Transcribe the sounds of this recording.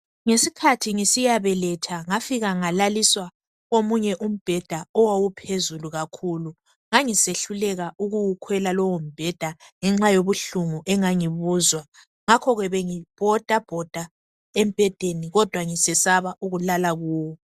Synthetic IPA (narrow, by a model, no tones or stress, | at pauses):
ŋesikʰatʰiŋisijaβɛlɛtʰaŋafiɣaŋalaliswa | ɣomuɲɛʔum̩b̥ʱɛd̥ʱaɔwawupʰezuluɣakʰulu | ŋaŋiseɬulɛɣauɣuwukʰwɛlalɔwom̩b̥ʱɛd̥ʱaŋɛŋ͡ǁajoβuɬuŋuʔɛŋaŋiβuːzwa | ŋakʰɔɣɛβɛŋib̥ʱɔd̥ʱab̥ʱɔd̥ʱa | em̩b̥ʱɛd̥ʱeniɣɔd̥ʱwaŋisɛsaβaʔuɣulalaɣuːwɔ